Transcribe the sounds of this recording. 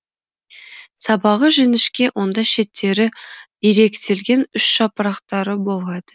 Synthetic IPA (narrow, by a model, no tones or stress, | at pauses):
sɑbɑʁəʒɪnɪʃkʲe̞wʔo̞nd̪ɑʃe̞t̪ʰːe̞ɾɪ | eɾe̞kt̪ʰe̞lɡʲe̞nʏʃʃɑpəɾɑqt̪ɑɾəbo̞lˠʁɑd̪ə